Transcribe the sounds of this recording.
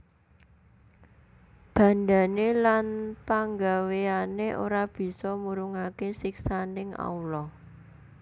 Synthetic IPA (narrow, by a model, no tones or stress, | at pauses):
b̥ä̤nda̤nelanpaŋɡaweaneʔo̰ɾab̥i̤sɔmuɾuŋakesiksanɪŋa̰ulɔ